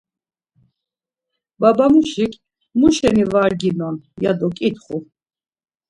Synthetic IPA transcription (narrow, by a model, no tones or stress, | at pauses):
babamuʃikʰʼ | muʃɛnivaɾɡinɔnjad̪ɔkʼit̪χu